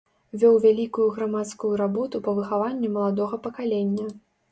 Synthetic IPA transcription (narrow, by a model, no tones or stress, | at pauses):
vʲɔwvʲalʲikujuɣɾamat̪skujuɾabɔt̪upɐvɨxavanʲːɛmɐlˠad̪ɔɣɐpɐkalʲenʲːɐ